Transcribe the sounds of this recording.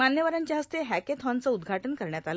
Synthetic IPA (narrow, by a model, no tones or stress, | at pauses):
manjəʋəɾaɲt͡ɕjaɦəst̪eɦɛket̪ʰɔnt͡səud̪ɡʱaʈənkəɾɳjat̪alə